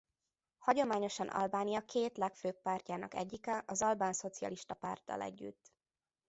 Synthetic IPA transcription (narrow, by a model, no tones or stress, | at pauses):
hɒɟo̞maːɲo̞ʃɒnʔɒ̰lbaːnijɒkʰeːt̪lɛkføːk̚paːrcaːnɒkɛ̰ɟːikɛʔɒzɒlbaːnso̞t̪siɒ̰liʃt̪ɒpa̰rt̪ːɒ̰lɛ̰ɟːy̰t̪ː